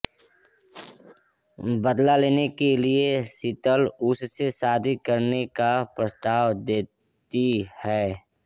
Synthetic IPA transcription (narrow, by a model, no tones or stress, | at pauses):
bəd̪laleːnekeliesɪt̪əlʊssesaːd̪ʱikəɾnekapɾəst̪aːwd̪eː | t̪ihɛː